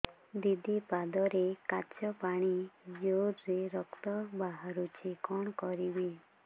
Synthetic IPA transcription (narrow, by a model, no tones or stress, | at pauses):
d̪id̪ipad̪ɔɾekat͡ʃjɔpaɽ̃id͡ʒoɾɾeɾɔkt̪ɔbaɦaɾut͡ʃʰekɔɳ̃kɔɾibe